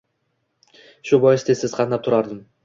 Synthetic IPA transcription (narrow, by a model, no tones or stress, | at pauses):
ʃubojest̪esizqʰɑnnɑp̚t̪ʰʊɾɑɾd̪ɯm